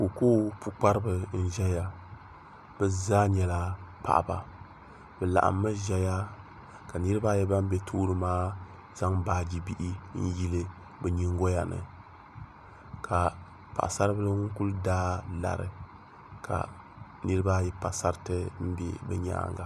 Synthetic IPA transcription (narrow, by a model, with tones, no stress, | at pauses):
ko˨koː˦pu˨k͡pa˦ɾɨ˦bɨ˨n̩˦ʒɛ˦ja˦ | bɛ˦zaː˦ɲɛ˨la˨pa̰˨ʔba̰˨ | bɛ˨la̰˨ʔa̰˨mːa˦ʒɛ˦ja˦ | ka˨nɨ˦ɾɨ˦baː˦jɛ˦ba˦m̩˦bɛ˦tʰoː˦ɾɨ˦maː˦ | z̥a˦ŋbaː˨˦d͡ʒi˦bi˦ʔi˦n̩˦ji˦lɨ˦ | bɛ˨ɲi˦ŋ˦ɡo˦ja˨nɨ̰˨ | kʰa˨ | pa̰˨ʔsa˦ɾɨ˦bɨ˦ɨ˦ŋʊ˦ŋ˦ku˦ldaː˦la̰˨ɾɨ̰˨ | kʰa̰˨ | nɨ˦ɾɨ˦ba˦jɛ˦pa˨sa˦ɾtɨ˦m̩˦bɛ̰˦bɛ˦ɲa̰ː˦˨ŋɡa̰˨